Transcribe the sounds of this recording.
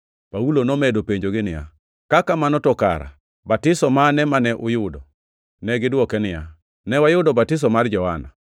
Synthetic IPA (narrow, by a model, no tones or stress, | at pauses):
paulonɔmɛdopeɲd͡ʒoɡɪnɪja̰ | kakamanɔtɔka̰ɾa̰ | batɪsɔmanɛmanɛʔʊjʊdɔ | nɛɡɪdwɔkɛnɪja̰ | nɛwajʊdɔbatɪs̬ɔmard͡ʒɔana̰